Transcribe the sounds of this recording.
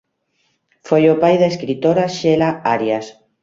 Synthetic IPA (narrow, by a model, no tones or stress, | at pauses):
fojopajðaeskɾit̪oɾaʃelaaɾjas